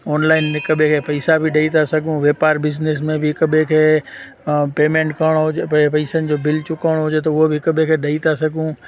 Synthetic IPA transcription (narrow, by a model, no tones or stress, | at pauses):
ɔːnlaːɪnɪkɐbʱẽkʰeːpɐɪsabʱɪɗɐit̪ʰasɐɡʱũʋeːpaːɾbɪznɪs̬mẽbʱɪɦɪkɐbʱẽkʰeː | peːmẽːɳʈkɐɾɽ̃oɦʊd͡ʑepɐɪsənɪ̆d͡ʑoːbɪlt͡ɕʊkəʋəɽ̃oɦʊd͡ʑet̪̬ɐʊɦobʱɪɦɪkɐbʱẽkʰeɗɐit̪ʰasɐɡʱũ